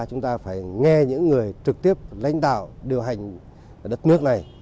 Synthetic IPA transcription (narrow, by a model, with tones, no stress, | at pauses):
t͡ɕʊ˨˦ŋ͡mt̪aː˧faː˧˩jŋɛ˧ɲɨ̰˧˥ŋːɨ˨˩əjt͡ɕɨ˨˩k̚t̪i˦˥əp̚la̰˧˥jŋ̟ɗa̰ː˧˨wɗi˨˩əwɦa˨˩jŋ̟ | ɗə˦˥t̚nɨ˦˥ək̚na˨˩j